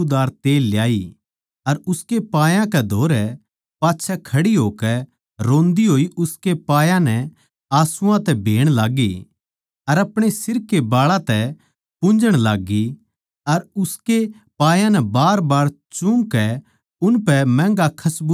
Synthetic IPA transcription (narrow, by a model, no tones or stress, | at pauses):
d̪aːɾt̪eːlːjaːi | ɐɾʊskepaːjãkɛd̪ʱoːɾɛ | paːtːʃʰɛkʰɐɽiɦoːkɛ | ɾõːnd̪iɦoːiʔʊskepaːjãnɛ | aːsʊãt̪ɛbʱeːɽ̃laːɡi | ɐɾɐpɽ̃esɪɾkːebaːɭãt̪ɛ | pʊ̃nd͡ʒəɽ̃laːɡːi | ɐɾʊske | paːjãnɛbaːɾbaːɽt͡ʃʊ̃ŋkɛ | ʊnpɛmɛ̃ːŋɡakʰɐsbu